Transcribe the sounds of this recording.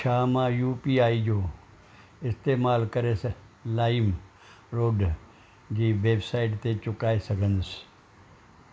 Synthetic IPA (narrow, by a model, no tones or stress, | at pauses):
ʃʰaːmãjuːpiːaːid͡ʒoː | ɪst̪eːmaːlkɐɾes | laːɪm | ɾoːɖ | d͡ʑiːʋeːbsaːɪʈt̪et͡ʃʊkaːisɐɡʱənəs